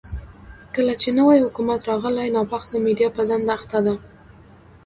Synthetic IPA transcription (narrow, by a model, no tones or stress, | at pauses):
kəlat͡ʃenəwajhʊkumat̪ɾɑɣəlajnɑpɑxd̪əmeɖijɑpəzand̪aːxt̪ad̪a